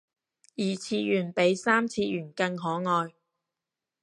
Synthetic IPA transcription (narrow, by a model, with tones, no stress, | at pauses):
jiː˨˩t͡sʰiː˧jyː˨˩npe˨˥jsaː˥mt͡sʰiː˧jyː˨˩nkɐ˧ŋɦɔː˨˥ŋɔː˧j